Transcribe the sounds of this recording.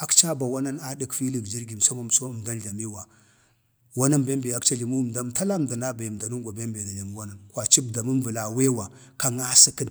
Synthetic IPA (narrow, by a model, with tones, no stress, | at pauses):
a˦kt͡ʃa˦ba˨wa˦na˦na˦di˦kfi˦li˨kd͡ʒi˦ɾɡi˨m˨sa˦ma˨m˨so˦˨mda˦nɮa˨mi˦wa˨ | wa˦na˦mbe˦mbe˨a˦kt͡ʃa˦ɮi˨mu˦˨mda˦mta˦la˦˨mda˨na˦ba˨ji˨m˨da˨nu˦ŋɡʷa˨be˦mbe˨da˨li˨mu˦wa˦na˨nkwa˨t͡ʃi˦bda˨mə˦nvə˨la˨we˦wa˨ | ka˨ŋa˦si˦kə˦n